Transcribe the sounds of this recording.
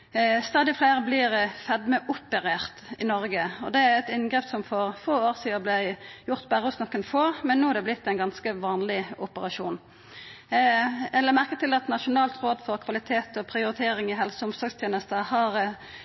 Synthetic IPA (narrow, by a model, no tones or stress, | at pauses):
st̪ɑːd̪ɪfleːʁəblɪɾfɛd̪məʔʊpːɛʁeːʁt̪ɪnɔɾɡəɔd̪ɛæɾɛt̪ɪnɡʁɛpsɔmfɔʁfoːoːʁsiːəblɛjʊʁt̪bæʁəɔsnɔkːənfoːmɛnːuːæʁd̪ɛblɪt̪ːæɛɪnɡɑnskəʋɑːnlɪʊpəʁɑʃṵːn | ɛlːəmæʁkət̪ɪlɑt̪nɑʃʊnɑːlt̪ʁoːd̪fɔʁkʰʋɑlɪt̪ʰeːt̪ɔpʰɾɪʊɾɪt̪ʰeːɾɪŋɪɦɛlsəʊmsɔɡst̪ʰjeːnəst̪əhɑʁ